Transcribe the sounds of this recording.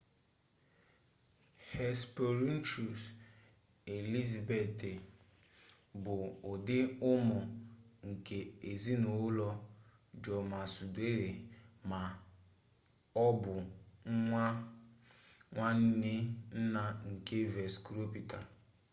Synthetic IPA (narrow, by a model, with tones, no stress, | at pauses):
hɛ˨spo˨ɾi˦n̩˦t͡ʃu˨s | e˨li˦za˨be˨tɪ˨ | bʊ˨ʊ˨dɪ˦ʊ˦mʊ˨ŋ̩˨ke˨e˨zi˦no˨ʊ˦lɔ˦ | d͡ʒɔ˨ma˨su˨de˦ɾe˨ma˨ | ɔ˦bʊ˨ŋ̩˦ŋʷa˦ | ŋʷa˦n̩˦nɪ˦n̩˦na˦ŋ̩˨ke˦ve˨skɾo˦pi˨ta˨